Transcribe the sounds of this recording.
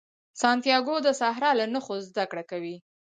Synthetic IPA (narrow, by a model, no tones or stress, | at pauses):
sɑnt̪jɑɡod̪əsaɦɾɑlanəxozd̪akɽakawi